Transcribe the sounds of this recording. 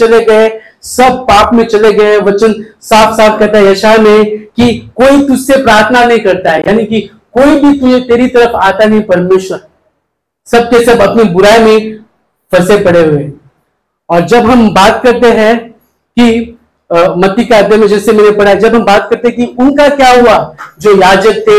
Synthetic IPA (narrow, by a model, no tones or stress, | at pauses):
ɐleɡɐe | sɐb̚paːpmẽt͡ʃɐleɡɐeʋɐt͡ʃənsaːfsaːfkɐɾt̪aɦɛjɐʃamẽkikoːit̪ʊd͡ʒʱsepɾaːɾt̪ʰənanɐɦĩkɐɾt̪aɦɛjaːniki | koːibʱit̪ʊet̪eːɾit̪ɐɾəfaːt̪anɐɦĩpɐɾmeːʃwəɾɛ | sɐb̚kesɐbɐpnibʊɾaːemẽ | fɐɾsepɐɽeɦueː | ɔːɾd͡ʒɐbɦɐmbaːt̪kɐɾt̪eɦɛ̃ | ki | mɐt̪ːikeaːd̪ʱjamẽd͡ʒɛːsemɛːnepɐɽaɦɛd͡ʒɐbɦɐmbaːt̪̚kɐɾt̪ẽɦɛ̃kiʊnkakjaːɦuad͡ʒoːjaːd͡ʒək̚t̪ʰe